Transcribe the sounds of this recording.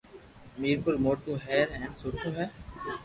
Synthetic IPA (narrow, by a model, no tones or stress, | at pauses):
miːɾpʊɾmoːɾt̪ũːɦɛːɾɦɛ̃ːnsoːɾt̪ʰõːɦɛː